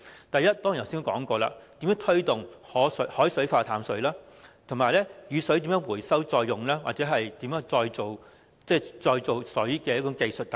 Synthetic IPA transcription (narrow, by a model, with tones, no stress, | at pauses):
t̪ɐ˨jɐ˥t̚t̪ːɔː˥ŋjst̪kɔː˨˥ŋkʷɔː˧la̰ː˧t̪iː˨˥mjœː˨˧˥ŋt̪ʰɵ˥ɥt̪ʊ˨˩ŋhɔː˨˥shɔː˨˥jsɵ˨˥ɥfaː˧t̪ʰaː˨˥msɵ˨˥ɥlaː˥t̪ʰʊ˨˩maː˨jlɛː˥jyː˨˧sɵ˨˥ɥt̪iː˨˥mjœː˨˧˥ŋwuː˨˩jsɐ˥wt͡sɔː˧jːʊ˨˩ŋlaː˥wa̰ː˨t̚t͡sɛː˨˥ɦɐ˨jt̪iː˨˥mjœː˨˥ŋt͡sɔː˧jt͡so˨w | t͡sɛː˥t͡sɔː˧jt͡so˨wsɵ˨˥ɥkɛː˧jɐ˥ʊ˨˧˥ŋke˧jsɵ˨t̚t̪